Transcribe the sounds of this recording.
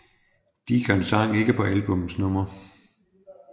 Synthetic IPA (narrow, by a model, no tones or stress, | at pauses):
d̥iɡ̥ɒensɑ̈ŋ̰e̝ɡ̥əpʰɒ̽ʔælb̥ɔ̽msnɔ̽m̰ɐ